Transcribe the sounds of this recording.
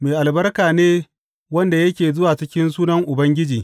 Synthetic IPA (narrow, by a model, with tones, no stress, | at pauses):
meː˨ʔa˨lbɐ˦rkaː˨neː˦ | wɐ˦nda˨jɐ˦kʲeː˨zʊ˦waː˨t͡ʃɪ˦kʲɪ˦nsuː˦nɐ˦ŋʔʊ˨bɐ˦ŋɡʲɪ˦d͡ʒiː˨